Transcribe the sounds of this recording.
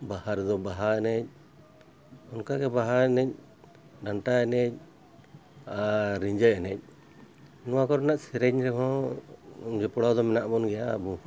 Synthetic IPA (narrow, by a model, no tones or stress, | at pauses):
bahaɾd̪ɔbaɦaɛnɛc̚ | ɔnkaɡɛbaɦaɛnɛc̚ | ɖaɳʈaɛnɛc̚ | aɾiɲd͡ʒəɛnɛc̚ | nɔwakɔɾnaʔsɛɾɛɲɾɛɦɔ̃ | d͡ʒɛpɔɽad̪ɔmɛnaʔbɔnɡɛja̰ːbu